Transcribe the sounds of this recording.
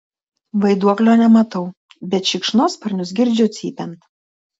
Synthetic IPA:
ʋɐɪd̪uɔklʲoːnʲɛmɐt̪ɐʊ | bʲɛt̪ʃʲɪkʃnoːspɐɾʲnʲʊsʲɡʲɪɾʲd͡ʒʲoːt̪sʲiːpʲɛnt̪

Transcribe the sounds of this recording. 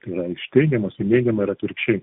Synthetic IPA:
t̪ɐiɾɐɪʃʲt̪ʲɛɪɡʲɛmɐsɪnʲeɪɡʲɛmɐɪɾɐt̪ʲʋʲɪɾkʃʲt͡ʃʲɛɪ

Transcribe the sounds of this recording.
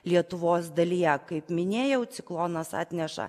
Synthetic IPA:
lʲiɛt̪ʊʋoːsd̪ɐlʲijɛkɐɪpmʲɪnʲeːjɛʊt̪sʲɪklˠoːnɐsɑ̰ːt̪ʲnʲɛʃɐ̰

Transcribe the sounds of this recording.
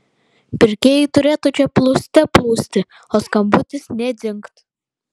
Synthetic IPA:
pʲɪɾʲkʲeːjɪt̪ʊɾʲeːt̪ot͡ʃʲɛplˠʊsʲt̪ʲɛplˠuːsʲt̪ʲɪ | ɔːskɐmbʊt̪ʲɪsnʲɛd̪ʲɪŋkt̪

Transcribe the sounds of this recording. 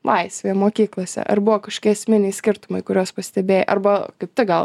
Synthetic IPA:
lˠɐɪsʲʋʲeːjɛmoːkʲiːklˠoːsʲɛ̰ʔɐ̰ɾbʊʋoːkɐʃkʲiɛɛsʲmʲɪnʲɛɪsʲkʲɪɾt̪ʊmɐɪkʊɾʲoːspɐsʲt̪ʲɛbʲeːjɛʔɐ̰ɾbɐkɐɪp̚t̪ʲɪɡɐlˠ

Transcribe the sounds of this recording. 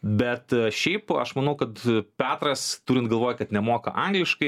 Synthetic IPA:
bʲɛt̪ʃʲɛɪpɐ̰ʃmɐnɐʊkɐt̪pʲæːt̪ɾɐst̪uːɾʲɪnt̪ɡɐlˠʋoːjkɐt̪nʲɛmoːkɐ̰ʔɐŋɡlʲɪʃkɐɪ

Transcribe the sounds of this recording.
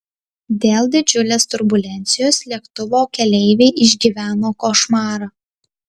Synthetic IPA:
d̪ʲeːlˠd̪ʲɪd͡ʒʲʊlʲeːst̪ʊɾbʊlʲɛnʲt̪sʲɪjoːslʲiɛkt̪ʊʋoːkʲɛlʲɛɪʋʲeɪʔɪʒʲɡʲiːʋʲæːnoːkoːʃmɑːɾɐ

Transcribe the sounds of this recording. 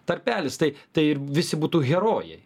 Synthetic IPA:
t̪ɐɾʲpʲæːlʲɪst̪ɐɪt̪ɐɪɪɾʋʲɪsʲɪbuːt̪uːɣʲɛɾoːjɛɪ

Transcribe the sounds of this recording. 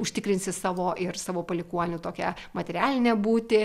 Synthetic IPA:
ʊʃʲt̪ʲɪkɾʲɪnʲsʲɪsɑːʋoːʔɪrsɑːʋoːpɐlʲɪkuɔnʲuːt̪oːkʲɛmɐt̪ʲɛɾʲæːlʲɪnʲɛbuːt̪ʲɪ

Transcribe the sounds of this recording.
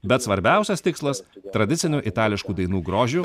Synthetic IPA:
bʲɛt̪sʋɐɾʲbʲæˑʊsʲɛst̪ʲɪkslˠɐst̪ɾɐd̪ʲɪt̪sʲɪnʲʊʔɪt̪ɑːlʲɪʃkuːd̪ɐɪnuːɡɾoːʒʲu

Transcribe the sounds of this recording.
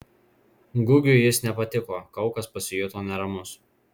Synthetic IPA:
ɡʊɡʲʊjɪsnʲɛpɐt̪ʲɪkoːkɒʊkɐspɐsʲɪjʊt̪oːnʲɛɾɐmʊs

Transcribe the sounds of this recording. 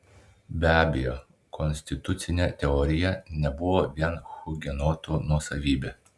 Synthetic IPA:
bʲæːbʲɛjoː | kʰɔnʲsʲt̪ʲɪt̪ʊt̪sʲɪnʲɛt̪ʲɛɔːɾʲɪjɛnʲɛbʊʋoːʋʲiɛnxʊɡʲɛnoːt̪uːnuɔsɐʋʲiːbʲe

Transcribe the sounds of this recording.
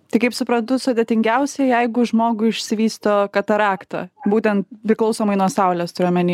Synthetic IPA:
t̪ɐɪkɐɪpsʊpɾɐnt̪ʊsʊd̪ʲeːt̪ʲɪŋʲɡʲɛʊsʲɛjɛɪɡʊʒmoːɡʊɪɪʃʲsʲɪʋʲiːst̪oːkɐt̪ɐɾɑːkt̪ɐ̰ːbuːt̪ʲɛnt̪̚pʲɾʲɪklˠɐʊsoːmɐɪnuɔsɐʊlʲɛst̪ʊɾʲoːmʲɛnʲiː

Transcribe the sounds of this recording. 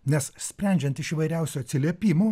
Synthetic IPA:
nʲɛssʲpʲɾʲæˑnʲd͡ʒʲɛnt̪ɪʃiːʋɐɪɾʲæˑʊsʲuɐt̪ʲsʲɪlʲiɛpʲiːmuː

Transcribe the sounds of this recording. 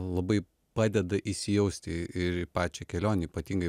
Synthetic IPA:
lˠɐbɐɪ | pɑːd̪ʲɛd̪ɐʔɪʃsʲɪjɛʊsʲt̪ʲɪɪɾɪpɑːt͡ʃʲɛkʲɛlʲoːnʲɛipɐt̪ʲiːŋɡɐɪ

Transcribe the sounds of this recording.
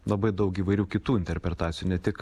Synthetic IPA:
lˠɐbɐɪd̪ɐʊkiːʋɐɪɾʲuːkʲɪt̪uːɪnʲt̪ʲɛɾʲpʲɾʲɛt̪ɑːt͡ssʲɪjuːnʲɛt̪ʲɪk

